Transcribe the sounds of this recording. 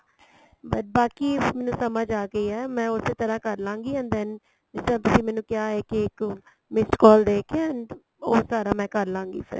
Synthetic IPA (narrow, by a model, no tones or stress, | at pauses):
bəʈ̚baːkiːmɛːnũːsəmad͡ʒaːɡəiːɛːmɛ̃ːʊseːt̪əɾãːkəɾlãːŋɡiːə̃nd̪ɛːn | d͡ʒɪsd̪ãːt̪ʊsĩːmɛːnũːkɪaːɦɛːkɪɪk | mɪskɔːld̪eːkʰːənɖ | oːsaːɾaːmɛ̃ːkəɾlãːŋɡḭːpʰɪ̰ɾ